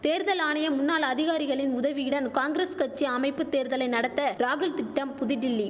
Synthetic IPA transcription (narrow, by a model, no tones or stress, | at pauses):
t̪eːɾðɐlaːɳɐjɐmʊnːaːlɐðɪɣaːɾɪɣɐɭɪnʊðɐʋɪjɪɽɐnkaːŋɡɪɾɐskɐt͡ʃːɐɐmɐɪpːɯt̪ːeːɾðɐlɐɪnɐɽɐt̪ːɐɾaːɣɯlt̪ɪʈːɐmpʊðɪɖɪlːi